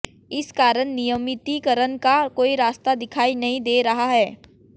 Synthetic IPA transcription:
ɪskaːɾəɽ̃nijəmɪt̪ikɐɾənkakoːiɾaːst̪ad̪ɪkʰaːinɐɦĩd̪eːɾɐɦaɦɛː

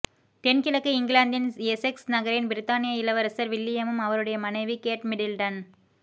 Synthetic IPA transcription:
t̪ɛnkɪlɐkːɯɪŋɡɪɭaːnd̪ɪneseksnɐɣɐɾɪnbɪɾɪt̪ːaːnɪjɐɪlɐʋɐɾɐsɐɾʋɪlːɪjɐmɯmɐʋɐɾɯɽɐjɐmɐnɐɪʋikeːʈmɪɽɪlʈɐn

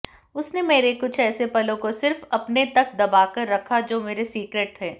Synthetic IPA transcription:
ʊsnemeːɾekʊt͡ʃʰɛːsepɐlõkosɪɾfɐpnet̪ɐk̚d̪ɐbaːkɐɾːɐkʰad͡ʒoːmeːɾesiːkɾeːʈ̚t̪ʰɛː

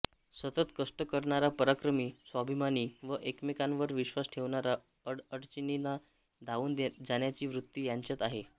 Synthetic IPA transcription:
sət̪ət̪kəʂʈəkəɾɳaɾapəɾakɾəmiːsʋabʱimaniːʋəʔekmikãnʋəɾʋiɕʋasʈʰeʋɳaɾa | əɽəɽt͡ɕinina | d̪ʱaʋuːnd͡zaɳjat͡ɕiːʋɾut̪ːiːjaɲt͡ɕjat̪aɦe

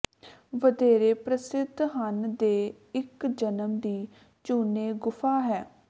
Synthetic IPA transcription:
ʋəd̪eːɾeːpɾəsɪd̪ʱɦənd̪eː | ɪkd͡ʒənəmd̪iː | t͡ʃuːneːɡʊfʰaːɦɛː

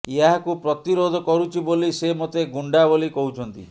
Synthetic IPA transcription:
eɦakupɾɔt̪iɾod̪ʱɔkɔɾut͡ʃʰibolisemot̪eɡuɳɖabolikɔɦut͡ʃʰɔnt̪ḭ

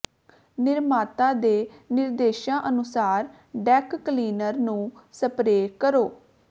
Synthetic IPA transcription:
nɪɾmaːt̪ãːd̪eːnɪɾd̪eːʃãːʔənʊsaːɾ | ɖɛːkːliːnəɾnũːsəpɾeːkəɾoː

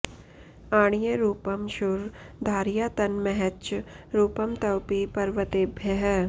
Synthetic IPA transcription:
aːɽ̃ijəɾuːpəmʃʊɾd̪ʱaːɾijaːt̪ɐnmɛɦɛt͡ʃ | ɾuːpəmt̪ɐwpipɐɾʋət̪eːbʱjɐɦ

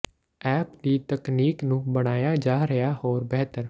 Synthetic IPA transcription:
ɛːpd̪iːt̪əkniːknũːbəɽ̃aːjaːd͡ʒaːɾəjaːhoːɾbɛɦt̪əɾ

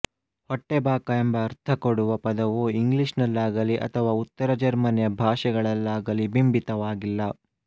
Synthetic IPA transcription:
hɔʈːebaːkɐembɐːɾt̪ʰɐkoɽuʋɐpɐd̪ɐʋuiŋɡliʂnɐlːaːɡɐliʔɐ̰t̪ʰɐʋaːut̪ːɐɾɐd͡ʒɐɾmɐnjɐbʱaːʂɛɡɐɭɐlːaːɡɐlibimbit̪ɐʋaːɡilːɐ

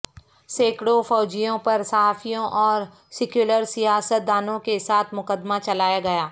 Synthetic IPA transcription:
seːkɽofɔːd͡ʒijõpɐɾsɐɦaːfijõʔɔːɾ | sɪkjuːləɾsijaːsət̪̚d̪aːnõkesaːt̪ʰmʊkəd̪mat͡ʃɐlaːjaɡɐjaː

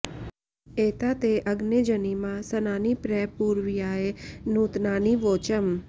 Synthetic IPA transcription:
eːt̪at̪eʔəɡned͡ʒənimãsənaːnipɾɛːpuːɾʋijaːenũːt̪naːniʋoːt͡ʃəm

